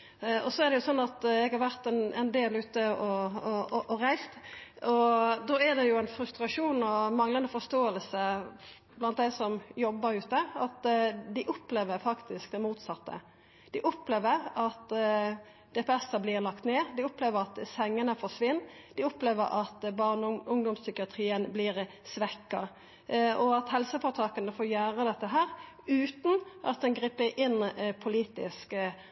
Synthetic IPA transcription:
ɔsɔɛʁd̪ɛjʊsɔnːɑt̪ɛɡhɑɾʋæɾt̪ɛnɛnd̪eːlʉːt̪əɔ | ʔɔɾæɪst̪ɔd̪oːæd̪ɛjʊæɪnfɾʉst̪ɾɑʂuːnɔmɑŋlɑnəfɔʂt̪oːəlsə | blɑnt̪d̪æɪsɔmjɔbːəɾʉːt̪əɑt̪d̪ɪʔʊpleːʋəɾfɑkt̪ɪskd̪ɛmuːt̪sɑt̪ːə̰ | d̪̥ɪʔʊpleːʋəɾɑt̪ | d̪̥ɛpːɛst̪əblɪʁlɑkt̪neːd̪ɪɔpleːʋəɾɑt̪sɛŋːənəfɔʂʋɪnːd̪̥ɪɔpleːʋəɾʔɑt̪bɑʁnʊŋd̪ɔmssʏkɪɑt̪ʰɾiːənblɪʁ | sʋɛkːɑ | ʔɔɑt̪hɛlsəfoːt̪ʰɑːkɑnəfoːjæːʁəd̪ɛt̪ːəɦæːɾ | ʉːt̪n̩ʔɑt̪̚d̪ɛnɡɾiːpːəʔɪnːpʰʊliːt̪ɪ̰sk

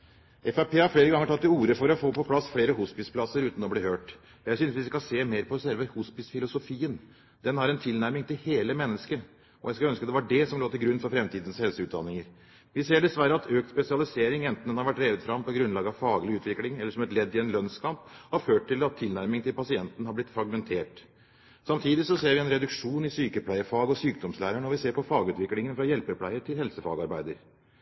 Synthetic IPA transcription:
ɛfæpʰeːhɑɾfleːɾəɡɑŋəʈʰɑt̪ːɪuːɾəfɔɾɔfoːpʰɔpʰlɑsːfleːɾəhʊspɪspʰlɑsːəɾʉːt̪n̩ɔbliːhøːʈ | jæɪsʏnsʋɪskɑseːmeːɾpʰɔsɛlʋəhʊspɪsfɪlʊsʊfiːən | d̪̥ɛnhɑɾɛnt̪ʰɪlnæɾmɪŋt̪ɪlheːləmɛnːəskə | ɔ̰jæɪskɑœnskəd̪ɛʋɑɖɛsɔmloːt̪ɪlɡɾʉnːfɔɾfɾɛmt̪ʰiːd̪ən̩shɛlsəʉːt̪̚d̪ɑ̰nːɪŋəɾ | ʋɪseːɖɛsʋæɾəɑt̪ʰøːkt̪spɛsɪɑlɪseːɾɪŋɛnt̪n̩ɛnhɑɾʋæʈːɾeːʋəd̪fɾɑmpɔɡɾʉnlɑːɡəɑʋfɑːɡlɪʉːt̪ʰʋɪklɪŋɛlːəʂɔmɛt̪lɛd̪ːɪɛnlœnskʰɑmphɑɾføːʈʈɪlɑt̪ʰːɪlnæɾmɪŋt̪ɪlpʰɑsɪɛnt̪ənhɑblɪt̪ːfɾɑɡmɛnt̪ʰeːʈ | sɑmt̪ʰiːd̪ɪsɔseːɾʋɪɛnɾɛd̪ʉkʂuːnɪsyːkəpʰlæɪəfɑːɡɔsyːk̚d̪ɔmslæːɾəɳɔʋɪseːɾpɔfɑːɡʉːt̪ʋɪklɪŋənfɾɑjɛlpəɾpʰlæɪəɾʈʰɪlhɛlsəfɑ̰ːɡəɑɾbæɪd̪əɾ

